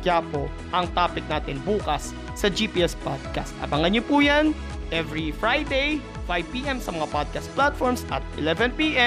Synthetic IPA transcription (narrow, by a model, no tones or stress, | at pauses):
jaːpo | ʔɐŋt̪aːpɪk̚naːt̪ɪnbuːkɐsː | ɐd͡ʒipiːʔɛspad̪̚ka̰st̪ʔɐ̰bɐŋɐnɲopujan | ʔɛvɹifɹajd̪ej | fajvpiːʔɛmsɐmɐŋapod̪̚kɐst̪̚plat̪̚foɹmsʔɐ̰t̪̚ʔɪlɛvɛnpiːʔɛ